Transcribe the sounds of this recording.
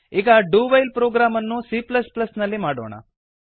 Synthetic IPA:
ekaɖubajlpɾoɡɾamənːusipləspləsnəlemaɽə̰ʋɳ̃a̰

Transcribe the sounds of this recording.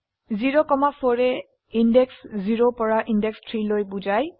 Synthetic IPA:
ziɹɔkɔmafʰɔɹɛ | indɛksziɹopɔɹaʔindɛkstʰɹilojbuzaj

